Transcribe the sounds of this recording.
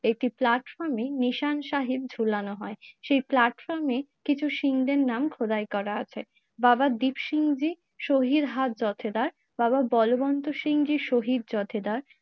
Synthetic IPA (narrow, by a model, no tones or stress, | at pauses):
ek̚ʈiplaʈfɔɾmeniʃanʃaɦib̚d͡ʑʱulanoɦɔeʃejplaʈfɔɾmekit͡ɕʰuʃiŋd̪eɾnamkʰod̪ajkɔɾaat͡ɕʰe | babad̪ipʃiŋd͡ʑi | ʃoɦid̪ɦat̪̚d͡ʑɔt̪ʰed̪aɾ | bababɔlobɔnt̪oʃiŋd͡ʑiʃoɦid̪̚d͡ʑɔt̪ʰed̪aɾ